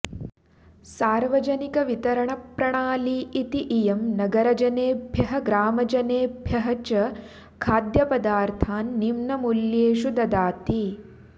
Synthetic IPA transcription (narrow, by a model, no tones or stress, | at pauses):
saːɾʋɐd͡ʒɐnikɐʋit̪ɐɾɐɳɐpɾɐɳaːliːit̪iʔijɐmnɐɡɐɾɐd͡ʒɐneːbʱjɐɦɐ̆ɡɾaːmɐd͡ʒɐneːbʱjɐɦɐt͡ʃɐ | kʰaːd̪jɐpɐd̪aːɾt̪ʰaːnːimnɐmuljeːʃud̪ɐd̪aːt̪i